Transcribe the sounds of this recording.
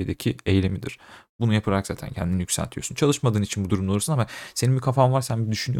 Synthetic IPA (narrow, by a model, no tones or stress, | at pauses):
ed̪ecʰie̞jlʲemid̪ḭɾ̥bunujapʰɯlˠaɾakz̥aːt̪ʰæ̰ncʰɛ̰nd̪inijycʲsæ̰lʲt̪ʰijo̞sunt͡ʃʰalˠɯʃmad̪ɯːnit͡ʃʰinbud̪uɾumd̪oɾusunamase̞ninbikʰafavaɾsænbid̪yʃynyjo